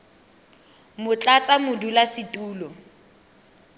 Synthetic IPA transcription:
mʊt͡ɬʼat͡sʼamʊdulasɪtʼuːlɔ

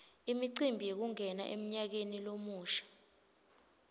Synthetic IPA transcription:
imiǀimbʱijek̬uŋɛna̰ʔḛm̩ɲak̬enilomuːʃḁ

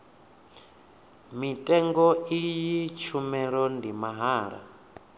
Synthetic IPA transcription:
mitʼɛŋɡɔijit͡ʃʰumɛɺɔndimaɦaːɺa̰

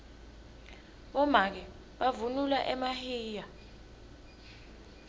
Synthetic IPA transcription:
ɓɔmak̬ɛ | ɓavunulaʔɛmahiːja

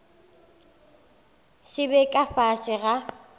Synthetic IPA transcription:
sɪbɛkʼafasɪɣa

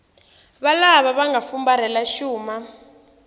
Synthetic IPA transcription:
βalaβaβaŋɡafumbaɾɛlaʃuːma

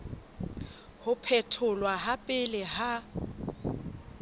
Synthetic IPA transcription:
hʊpʰɛtʰʊlwaɦapʼɪlɪɦa

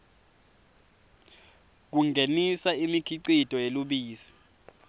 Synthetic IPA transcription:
k̬uŋɡʱenisaimikʰiǀid̥ʱɔjeluɓiːsi̥

